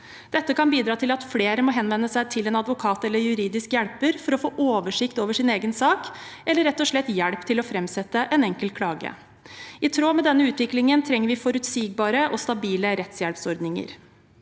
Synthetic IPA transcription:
d̪̥ɛt̪ːəkɑnbiːd̪ɾɑːt̪ʰɪlɑt̪fleːɾəmɔːɦɛnʋɛnːəsæɪt̪ʰɪlɛnɑd̪ʋʊkʰɑːt̪ɛlːəɾjʉɾiːd̪ɪskjæɽpəɾfɔɾɔfoːʔoːʋəʂɪkt̪oːʋəʂɪneːɡənsɑːkɛlːəɾɛt̪ːɔʂɭɛt̪ːjæɽpt̪ʰɪlɔfɾɛmsɛt̪ːəʔɛnɛŋkəlkʰlɑːɡə̰ | ɪt̪ʰɾoːmɛd̪ɛnːəʉːt̪ʋɪklɪŋənt̪ʰɾɛŋːəɾʋɪfɔɾʉt̪siːɡ̚bɑːɾəʔɔst̪ɑbiːləɾɛt̪sjælpsɔɾd̪nɪŋə̰ɾ

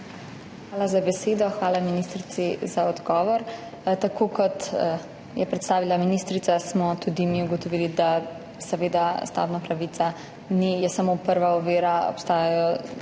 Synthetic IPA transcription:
xʋaːlazabɛseːd̪ɔxʋaːlaminist̪ɾit̪sizaɔd̪ɡɔːʋɔɾ | t̪akʰokɔt̪ | jɛpɾɛt̪st̪aːʋilaminist̪ɾit̪sasmɔt̪ud̪imiuɡɔt̪ɔʋiːlid̪a | sɛʋeːd̪ast̪a̰bnapɾaʋit̪sa | nijɛsamopəɾʋaɔʋeːɾaɔ̰pst̪aːjajɔ

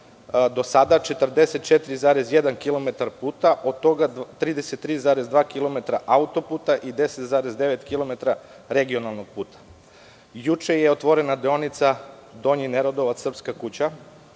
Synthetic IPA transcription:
d̪o̞sad̪at͡ʃe̞t̪rd̪e̞set̪̚t͡ʃet̪iɾizaːɾezjed̪ankilˠo̞met̪aɾpuːt̪aʔo̞d̪̚t̪o̞ɡat̪ɾiːd̪eset̪ːɾiːzaːɾezd̪ʋaːkilˠo̞met̪ɾaʔaut̪o̞puːt̪aʔid̪e̞set̪zaːɾezd̪e̞ʋet̪kilo̞me̞t̪ɾa | ɾe̞ɡio̞nalˠno̞ɡ̚puːt̪ʰḁ | jut͡ʃejeot̪ʋo̞ɾenad̪eonit̪sa | d̪o̞ɲineɾod̪o̞ʋat̪srpskakut͡ɕa

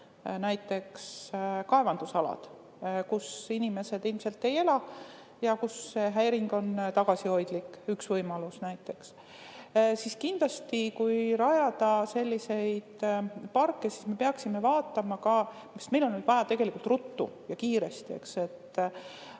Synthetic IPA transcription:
næjt̪ːˑe̞kskɑe̞vɑnd̪̥usɑlɑ̰d̪̥ | kusinime̞se̞d̪̥ilmse̞lt̪ːe̞jelɑ | jɑkusːeɦæjɾiŋɡ̥o̞nt̪ɑɡ̥ɑsiho̞jd̪̥likːyksvɤjmɑlusnæjt̪ːˑe̞ks | siskind̪lɑst̪ikujɾɑjɑd̪̥ɑse̞lʲːise̞jd̪̥pɑrkːe̞sisme̞peɑksime̞vɑːt̪ːˑɑmɑkɑ | isme̞jlonːyd̪vɑjɑt̪e̞ɡ̥e̞likult̪rut̪ːṵjɑkiːɾe̞st̪ie̞̰kse̞t̪ː

